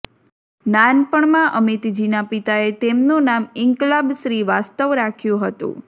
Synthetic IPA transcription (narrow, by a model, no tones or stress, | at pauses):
nanpəɳmãʔəmit̪d͡ʒinapit̪aet̪emnunamɪŋklabʃɾiʋast̪əʋɾakʰjũɦət̪ṵ̃